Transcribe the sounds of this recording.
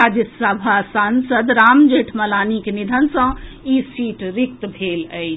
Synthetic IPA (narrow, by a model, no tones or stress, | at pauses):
ad͡ʒisəbʱasansəd̪ɾaːmd͡ʒeːʈʰmɐlaːnikenid̪ʱənsə̃iːsiːʈɾik̚t̪bʱeːləj